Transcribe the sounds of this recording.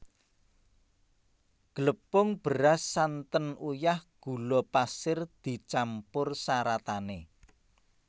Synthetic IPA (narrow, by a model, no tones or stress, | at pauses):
ɡ̥ələpʊŋb̥əɾasːant̪ənujahɡ̥ṳlɔpasɪrd̪̥i̤t͡ʃampʊrsaɾat̪ane